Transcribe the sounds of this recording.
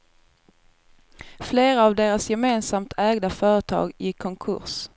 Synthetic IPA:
fleːɾaːvd̪eːɾasjɛmeːnsamt̪ʰɛːɡd̪afœːɾət̪ʰɑ̰ːɡjɪkʰːɔŋkʰɵ̰ɾs

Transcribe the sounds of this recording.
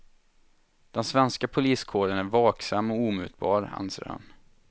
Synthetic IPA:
d̪̥ɛnsvɛnskapʰʊliːskʰoːɖənæɾvɑːksamːɔuːmʉ̟ːt̪̚bɑ̰ːɾa̰nsɾa̰n

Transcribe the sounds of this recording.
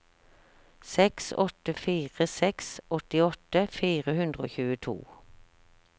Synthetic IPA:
sɛksɔ̰t̪əfiːʁəsɛksʔɔt̪ɪɔt̪əfiːʁəhʉnd̪ʁəoːçʉːət̪ʰṵː

